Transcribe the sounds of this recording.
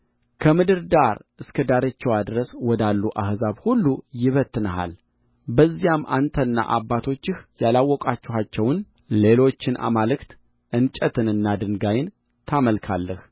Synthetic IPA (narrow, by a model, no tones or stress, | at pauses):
kʰəmɨd̪ɨɾd̪aɾɨskʰəd̪aɾət͡ʃːɛwad̪ɾəswɔd̪alːuʔahzaβhulːujɪβət̪ːɨnəɦa̰l | bəzːijamːʔa̰nt̪ʰənːa̰ʔabːat̪ʰo̞t͡ʃːɪhjalawːɔkʼat͡ʃːɪɦat͡ʃːɛwn | le̞lo̞t͡ʃːɪnʔa̰malɨkt̪ | ʔɨnt͡ʃʼət̪ʰɨnɨnːad̪ɨŋɡajɪn | t̪ʰaməlkʰalːəh